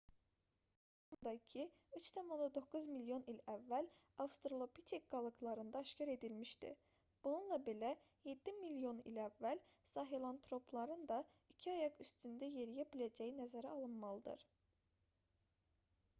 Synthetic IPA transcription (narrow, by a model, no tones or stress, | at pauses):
umd̪ɑicʰi | yt͡ʃt̪ʰæmo̞nd̪ɑd̪o̞kːuzmiljo̞nilævːælɑfst̪ɾolˠopʰit̪ʰek̚ɡ̥ɑlˠɯɡlˠɑɾɯnd̪ɑːʃcʰɑɾe̞d̪ilmiʃd̪ḭ | b̥ununlˠɑbe̞læ | je̞d̪ːimilijo̞nḭlævːælsɑɦelˠɑnt̪ʰɾo̞plˠɑɾɯnd̪ɑ | icʰiɑjɑɡyst̪ynd̪æje̞ɾijæbilʲæd͡ʒæjinæzæɾæɑlˠɯnmɑlˠɯd̪ɯ̰ɾ̥